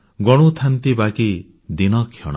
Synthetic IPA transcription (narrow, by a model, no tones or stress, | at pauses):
ɡɔɽ̃ut̪ʰant̪ibaki | d̪inɔkʰjɔ̰ɽ̃ɔ